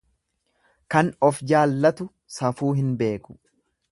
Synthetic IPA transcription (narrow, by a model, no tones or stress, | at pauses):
kɐnɔfd͡ʒaːlːɐt̪ʊ | sɐfuːɦɪnbe̞ːkʊ̥